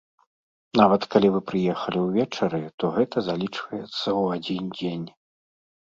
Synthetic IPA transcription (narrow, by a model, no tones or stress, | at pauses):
navɐt̪kalʲivɨpɾɨjɛxɐlʲiwvʲɛt͡ʂɐɾɨt̪ɔɣɛt̪ɐzalʲit͡ʂvɐjɛt̪sːɐwad͡zʲind͡zʲenʲ